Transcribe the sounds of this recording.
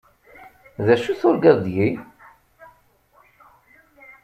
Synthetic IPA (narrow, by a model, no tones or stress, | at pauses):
ðæʃuθʊɾɡæðd̪ji